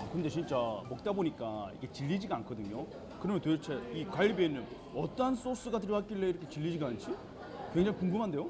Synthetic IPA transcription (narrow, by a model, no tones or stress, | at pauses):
kɯɯndet͡ɕint͡ɕ͈amok̚t͈aboɲik͈aḭɡe̞t͡ɕiʎːid͡ʑiɡaankʰʌdɯɲo | kɯɾʌmjʌntet͡ɕʰeikwaʎːibenɯn | ʌt͈ʌɦans͈os͈ɯɡat̬ɯɾwak͈iɭːeiɾʌkʰet͡ɕiʎːid͡ʑiɡant͡ɕʰi | kwe̞ŋd͡ʑaŋikuŋɡumɦande̞jo